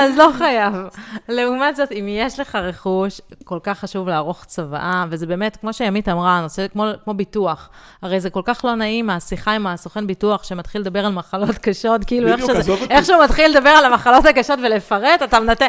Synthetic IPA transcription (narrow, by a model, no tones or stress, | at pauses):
azlo̞χajavle̞umatzo̞timjeʃle̞χaʁe̞χuʃko̞lkaχːaʃuvleːʁo̞χt͡sava̰ʔavezebe̞ːmetkmo̞ʃejamitamʁanosekmokmo̞bituaχ | haʁejzeko̞lkaχlo̞naimasiχaimaːsoχenbituaχʃemat̪χilːed̪abe̞ʁalmaχalo̞tkaʃo̞tkiiːlueχʃʃeeχʃeumat̪χilːed̪abe̞ʁalamaχalo̞thakaʃo̞tvele̞faʁetatamnate